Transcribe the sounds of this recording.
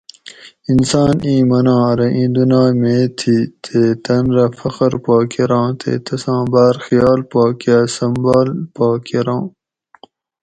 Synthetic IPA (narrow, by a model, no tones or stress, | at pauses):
insaːnĩːmɐnɑ̃ːɾɐʔĩːd̪unaːmeːt̪ʰit̪ʰeːt̪ɐnɾɐfɐqɐɾpaːkiɾɑ̃ːt̪ʰḛːt̪ɐsɑ̃ːbaːɾxijɑːlpaːkiasɐmbaːlpaːkiɾɑãː